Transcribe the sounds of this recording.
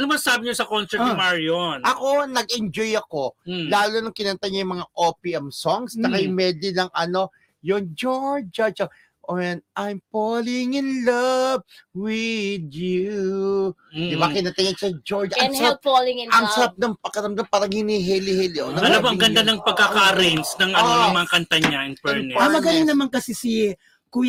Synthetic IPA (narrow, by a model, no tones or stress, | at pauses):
ɐnomɐnsaːbɪɲosɐkonsɛɹt̪nɪmaɹionʔɐko̞nɐɡ̚ɛnd͡ʒojɐko̞laːlonoŋkɪnɐnt̪ajɲajʊŋmɐŋaʔopiʔɛmsoŋsnɐkɐjmɛd̪ɪnɐŋɐno̞ | joŋd͡ʒoɹd͡ʒɐd͡ʒɐ | ʔoɛnʔajmpolɪŋɪnlɐb̚wɪd̪ju | d̪ɪbakɪnɐt̪ɐɲɐɡʃɐd͡ʒoɹd͡ʒaɐsɐalɪŋnɐŋsɐɾap̚nɐŋpɐɡ̚kɐɾɐmd̪ampaːɾɐŋhɪniɦɛlɪhɛlɪʔonɐɐaboɐŋɡɐnd̪anɐŋpɐɡ̚kːakaɾɛnsnɐŋʔɐnoɐmɐŋakɐnt̪aɲaɪnpɛnɛamɐɡɐliŋnɐmaŋkɐsisi | ku